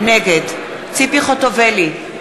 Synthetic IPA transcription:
neɡed̪ | t͡sipiχot̪oveli

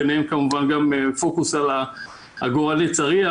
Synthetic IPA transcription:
eneemkamuvanɡamfo̞kusala | a̰ɡoʁalit͡saʁia

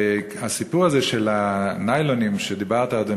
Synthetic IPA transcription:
hasipuʁazeʃelanajlonimʃed̪ibaʁt̪aːd̪o

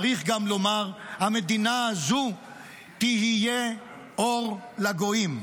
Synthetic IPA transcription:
ʁiχɡamlo̞maʁhamed̪inaːzu | t̪iɦije | o̞ʁlaɡo̞im

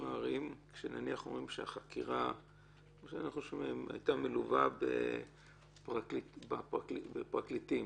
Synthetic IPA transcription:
maːʁimkʃenaniaχomʁimʃeaχakiʁa | ʃaniχoʃmma̰jtamiluvabḛ | pʁakibapbepʁaklitim

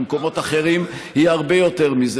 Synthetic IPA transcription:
mko̞mo̞t̪aχe̞ʁimhihaʁbe̞jo̞t̪e̞ʁmiz

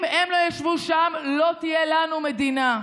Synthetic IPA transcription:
mʔemlo̞jaʃvuʃamlo̞t̪ijelanumed̪ina

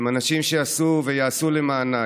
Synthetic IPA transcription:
manaʃimʃeasuvejaːsulemaːna

